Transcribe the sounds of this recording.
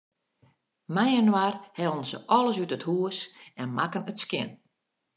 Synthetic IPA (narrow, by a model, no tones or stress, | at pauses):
mɛjənwarhɛlˠnsə̰ʔɔlˠəsytəthuəsɛnmakənətskɪ̰n